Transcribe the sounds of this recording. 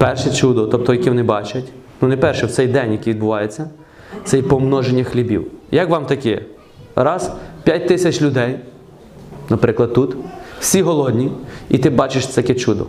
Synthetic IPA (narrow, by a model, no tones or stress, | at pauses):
pɛrʃɛt͡ʃud̪ɔt̪ɔp̚t̪ɔjɐkʲiʋɔnɪbɑt͡ʃɐtʲnunɛpɛrʃɛwt̪sɛjd̪ɛnʲjɐkʲiʋʲid̪bʊʋɑjet͡sʲːɐ | t̪ɛjpɔmnɔʒenʲːɐxlʲibʲḭwjɐkʋɑmt̪ɐkɛ | ɾɑz̥pʲjatʲt̪ɪsʲɐt͡ʃʲlʲʊd̪ɛj | nɐpɾɪklˠɐd̪̚t̪ut̪w̥sʲiɦɔlˠɔd̪ʲnʲiit̪ɪbɑt͡ʃeʃt̪ɛɐkʲɛt͡ʃud̪ɔ̰